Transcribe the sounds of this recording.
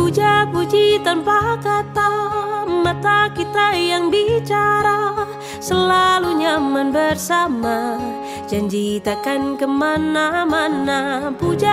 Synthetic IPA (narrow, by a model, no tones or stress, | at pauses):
ud͡ʒapud͡ʒit̪anpakat̪amat̪akit̪ajaŋbit͡ʃaɾa | səlaluɲamanbərsama | d͡ʒaɲd͡ʒit̪akankəmanamanapud͡ʒa